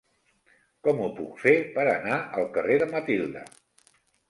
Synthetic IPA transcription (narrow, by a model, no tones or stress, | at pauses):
kɔmupṵkfepəɾənaəlˠkəreðəmət̪ilˠd̪ə̰